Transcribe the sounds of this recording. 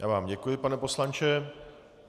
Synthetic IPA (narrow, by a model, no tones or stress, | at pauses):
ja̰ːvaːmɟɛkujɪpanɛpo̞slant͡ʃɛ